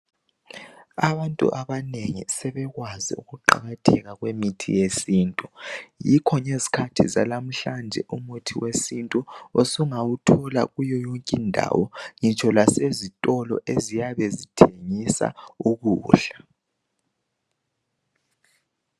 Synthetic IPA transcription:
aβantʼṵʔaβaneŋḭsɛβɛɣwazḭṵɣuǃa̰ɣatʰɛɣaɣwemitʰḭjesiːntʼujikʰɔɲezi̥kʰatʰiza̰lam̩ɬand͡ʒʱɛʔumutʰiwesintʼuosuŋawutʰɔla̰ɣujɔjoŋkʼindʱa̰wɔŋit͡ʃʰɔlasezitʼɔlɔ̰ʔezijaβɛzitʰeŋisa̰uɣuːɬḁ

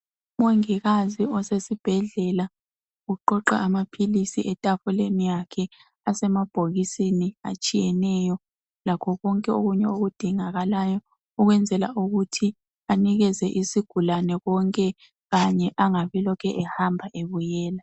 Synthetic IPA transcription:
umoŋiɣaziɔsesib̥ʱɛɮɛla | ɣuǃɔǃa̰ːmapʰilisiʔɛtʼafulenijakʰɛ | asɛmab̥ʱoɣisenia̰t͡ʃʼijɛnɛjɔ | lakʰɔɣɔŋkʼɛoɣuɲɛoɣud̥ʱiŋaɣalajɔ | uɣwɛnd͡zʱɛla̰ʔuɣutʰi | aniɣɛzɛʔisiɡ̥ʱulanɛɣɔŋkʼɛ | ɣaɲɛʔaŋaβilɔkʰɛʔɛhambʱaʔeβujɛːla

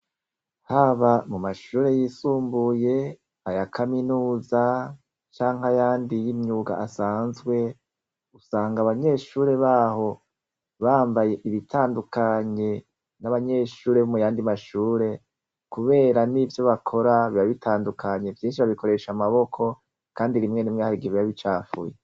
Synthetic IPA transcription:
haβamumaʃuːɾe̞jiːsuːmbuje̞ | hajakʰaminuːza | t͡ʃaːŋhajaːndijimɲuːɡa̰asaːnzɡwe̞ | usaːŋɡaβaɲe̞ʃuːɾe̞βaːɦo̞ | βaːmbaje̞ʔiβitʰaːndukaɲe̞ | naβaɲe̞ʃuːɾe̞βumujaːndimaʃuːɾe̞ | kuβe̞ːɾanivjo̞βakʰo̞ɾaβiβaβitʰaːndukʰaɲe̞vjiːnʃ̬iβaβiko̞ɾe̞ʃamaβo̞kʰo̞ | kaːndiɾimŋe̞nimŋehaɾiɡiβijaβit͡ʃaːfṵje

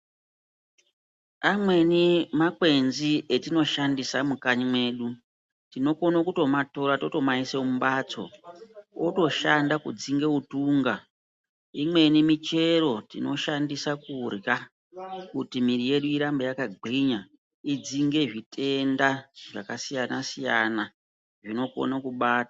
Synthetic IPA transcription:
amwe̞nimakwe̞nzietino̞ʃandisamukaɲimwe̞ːɗu | tino̞ko̞nokuto̞mato̞ɾato̞to̞maiseumbaːt͡so̞̰ | oto̞ʃandakud͡ziŋɡe̞utuːŋɡa | imwe̞nimit͡ʃe̞ɾo̞tḭno̞ʃandisakurja | kutimiɾije̞ɗuiɾambajakaɡʱiɲa | id͡ziŋɡe̞ʐitʰe̞ndaʐakasijanasijana | ʐino̞ko̞̰nakuɓaːta

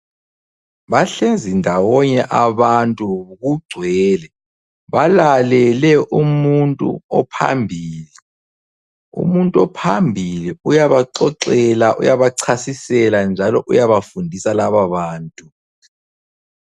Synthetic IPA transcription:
βaɬend͡zʱindʱawɔɲɛʔaβantʼuɣuɡ͡ǀʱwɛːlɛ | βalalɛlɛʔumuntʼṵɔ̰pʰa̰mbʱiːli | ṵmuntʼuɔpʰambʱiliujaβaǀɔǀɛlaʔṵjaβaǀʰasisɛland͡ʒʱalɔʔujaβafundʱisalaβaβaːntʼu

